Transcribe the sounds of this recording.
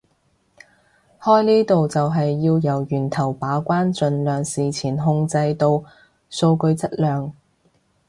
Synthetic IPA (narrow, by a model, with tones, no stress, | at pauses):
hɔː˥jniː˥t̪o˨wt͡sɐ˨wɦɐ˨jːiː˧wjɐ˨˩wjyː˨˩nt̪ʰɐ˨˩wpaː˨˥kʷaː˥nt͡sɵ˨nlœː˨ŋsiː˨t͡sʰiː˨˩nɦʊ˧ŋt͡sɐ˧jt̪o˧w | so˧wkɵ˧ɥt͡sɐ˥t̚lœː˨ŋ